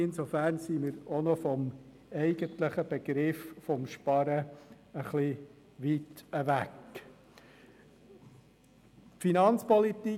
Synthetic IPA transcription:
ɪnsofæɾnsiːmɪɾonɔfɔm | ɛɪɡ̥əntləχəb̥eɡ̥ɾɪffɔmʃpɑɾə | əχli | ʋitəʋæk | finɑnt͡spɔlit̪i

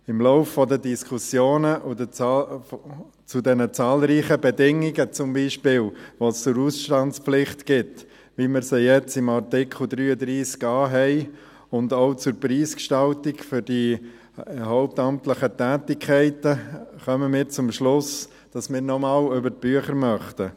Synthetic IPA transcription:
ɪmlɔʊfːɔdədiskʰusjoːnəʔdə | t͡sʊdɛnət͡sɑːlɾiːχəbedɪŋːɪɡət͡sʊmbiːʃpɪːlʋost͡sʊɾuːsʃtɑntt͡spflɪχtɡ̥ɪt | ʋimɪɾsijɛt͡sɪmartɪkʰχl̩d̪ɾyːəd̪ɾiːskɑːɦɛɪ | ʊndoʊt͡sʊɾpɾiːskʃtɑltɪkfʏɾd̥i | hɔʊp̚tɑmtləχətæːtɪkʰχɛɪtəχœməmɪːɾt͡sʊmʃlʊs | d̥ɑsmɪːɾnɔmɑːlʏbəɾt̚b̥yəχəɾmœχtə

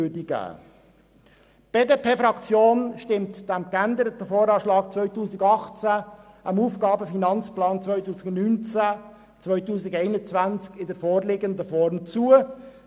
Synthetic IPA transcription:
ødiɡ̥æ̰ː | b̥eːdepʰeːfɾɑkt͡sjoːnʃtɪmtd̥æmkænd̪əɾətəfoːɾɑːʃlɑːkt͡svœʏtuːsɪɡɑχt͡sæ | ʔɑmuːfɡ̥ɑːbəfinɑnt͡splɑːnt͡svœʏtuːsɪɡnnynt͡sæ | t͡svœʏtuːsɪɡɛɪnət͡svant͡skɪdəɾfɔːɾlɪɡəndəfɔɾmt͡suːə

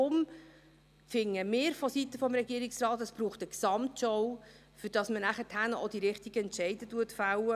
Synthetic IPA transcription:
ʊm | fɪŋːəmɪːɾfɔsitəfɔmɾɛɡiːɾɪksrɑːt̪əsb̥ɾuːχtəksɑmtʃɔw | fʏɾd̥ɑsmənæχətʰhænʔod̥iɾɪχtiɡ̥əɛntʃɛɪdətuətfawə

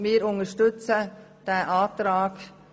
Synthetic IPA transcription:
mɪːɾʊŋəʃtʏt͡sə | d̥ɛʔaːt̪ɾaːɡ

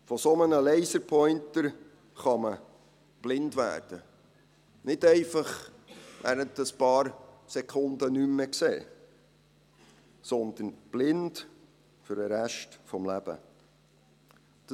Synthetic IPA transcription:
fɔsɔmənəlɛɪsəɾpʰɔʏnt̪əɾ | χɑmə | b̥lɪndʋæ̰ːɾd̥ə | nɪdɛɪfɑχʋæ̰ːɾəntəspɑːɾsɛkʰʊnd̪ənymːɛksḛː | sɔnd̪ənb̥lɪnd | fʏɾəɾæʃtfɔmlæb̥ə̰ | d̥

